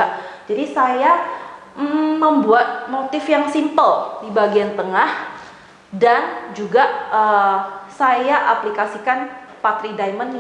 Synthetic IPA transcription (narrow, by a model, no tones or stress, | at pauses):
ad͡ʒadisaja | m̩ːəmbuat̪̚mot̪ɪfjaŋsimpəldibaɡiant̪əŋah | dand͡ʒuɡaʔəsajaʔaplikasikanpat̪ɾidajmən